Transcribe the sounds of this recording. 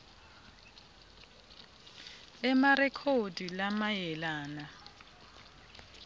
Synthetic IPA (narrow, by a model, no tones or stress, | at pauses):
ɛmarɛkʰodilamajɛlaːna